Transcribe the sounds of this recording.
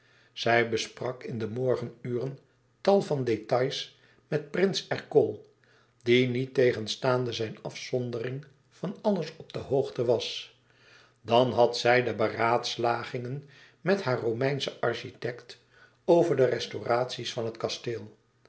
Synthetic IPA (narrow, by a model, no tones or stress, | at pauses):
z̥ɛjbəsprɑkɪndəmɔɹχənyːrən | tɑlˠvɑndetɑjs | mɛt̚prɪnsɛɹkɔlˠ | dinitejχənstaːndəzɛjnɑfsɔndərɪŋ | v̥ɑnɑləsɔb̚d̥əɦowχtəʋɑs | dɑnɦɑtsɛjdəbəraːtslaːχɪŋən | mɛtɦaːɹrowmɛjnsəʔɑɹʃitɛkt | owvəɹdərɛstoraːtsisfɑnɦətkɑsteːlˠ